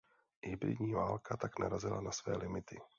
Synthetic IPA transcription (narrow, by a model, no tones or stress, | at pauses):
hɪbɾɪ̰dɲiːvaːlkʰat̪aknaɾazɪlanasvɛ̰ːlʔɪmɪt̪ɪ